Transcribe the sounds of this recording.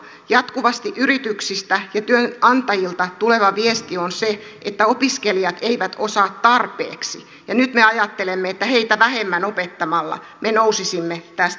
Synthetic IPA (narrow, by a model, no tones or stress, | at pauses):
jɑt̪kuʋɑst̪iʔyrit̪yksist̪æjɑt̪yønɑnt̪ɑjilt̪ɑt̪uleʋɑʋiest̪ionse | ʔet̪ːæopiskelijɑt̪eiʋæt̪osɑːt̪t̪ɑrpḛːksi | jɑnyt̪meɑjɑt̪ːelemːeet̪ːæheit̪æʋæhemːænopet̪ːɑmɑlːɑ̰ | menousisimːet̪æst̪